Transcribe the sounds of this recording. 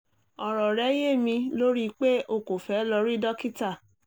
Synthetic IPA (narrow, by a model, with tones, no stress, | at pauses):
ɔ˨ɾɔ˨ɾɛ˨˦je˦˨mĩ˧lo˦ɾi˦˧k͡pe˦ʔo˧˨ko˨fɛ˨˦lɔ˧ɾi˦dɔ˦ki˦ta˦˨